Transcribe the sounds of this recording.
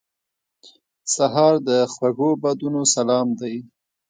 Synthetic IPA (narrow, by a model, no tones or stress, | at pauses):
saɦɑɾd̪əxwaɣobad̪unosalɑmd̪aj